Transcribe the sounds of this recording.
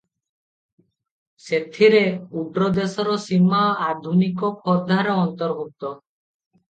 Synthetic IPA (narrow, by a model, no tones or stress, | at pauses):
set̪ʰiɾeuɖɾɔd̪esɔɾɔsimaad̪ʱunikɔpʰɔd̪ʱaɾɔɔnt̪ɔɾbʱuk̚t̪ɔ